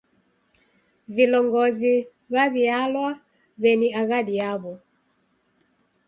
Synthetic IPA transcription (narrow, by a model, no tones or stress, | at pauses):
vilɔŋɡɔzi | βaβialwa | βɛniaɣaɗiaβɔ